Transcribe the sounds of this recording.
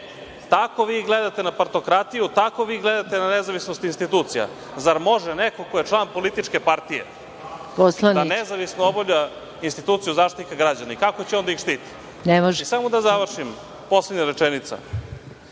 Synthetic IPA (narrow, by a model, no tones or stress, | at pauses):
t̪ako̞ʋiːɡled̪at̪e̞napaɾt̪o̞kɾat̪ijut̪ako̞ʋiːɡled̪at̪enanezaʋisnost̪inst̪it̪ut̪sija̰ | zaɾmo̞ʒɛnekokojet͡ʂlˠaːnpo̞lit̪it͡ʃkepaɾt̪ijḛ | posland̪anezaʋisnoobovʎa | inst̪it̪uːt̪sijuzaːʂt̪ikaɡɾad͡ʑanaikako̞t͡ɕeo̞nd̪aixʃt̪iːt̪i̥ | nemoʒisamod̪azaʋr̩ʃim | po̞sledɲaɾet͡ʂenit̪sa̰